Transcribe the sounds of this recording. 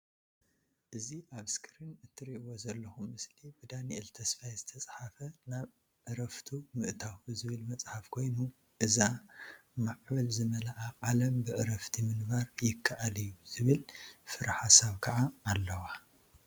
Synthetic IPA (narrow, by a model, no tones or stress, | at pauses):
ʔɨziʔaβskʰɨɾɨnɨt̪ʰːɨɾiʔwozɐlːɐxumːɨslibɨd̪aniɛlt̪ʰɐsfajzɨt̪ʰɐt͡sʼħafɐnaβ | ʔɨɾɐft̪ʰumɨʔt̪ʰawbɨzɨβɨlmɐt͡sʼħafkʰo̞jnu | ʔɨza | maʕbɐlzɨmɐlaʔaqʼalɐmbɨʔɨɾɐft̪ʰimɨnbaɾjɪkʰːaʔalijːuz̥ɨβɨlfɨɾaħasaβkʰɐʕaːlːɐwa